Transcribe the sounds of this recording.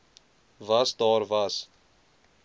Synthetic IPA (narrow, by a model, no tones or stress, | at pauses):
ʋaːst̪ɔːɾʋaːs